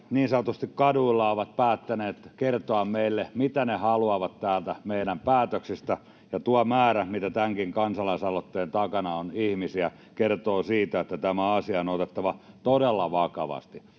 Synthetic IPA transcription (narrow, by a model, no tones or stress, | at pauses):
niːnsɑnot̪ost̪ikkɑduilːɑoʋɑt̪̚pæːt̪ːæneːt̪kert̪oɑmmeilːemit̪ænehɑluɑʋɑt̪t̪æːlt̪æmeiɾæmpæːt̪øksist̪æ | jɑt̪uɑmæːɾæmit̪æt̪æŋkiŋkɑnsɑlɑisɑlot̪ːeːnt̪ɑkɑnɑonihmisiæ | kert̪oːsiːt̪æet̪ːæt̪æmæɑsiɑonot̪et̪ːɑʋɑt̪odelːɑʋɑkɑʋɑ̰st̪i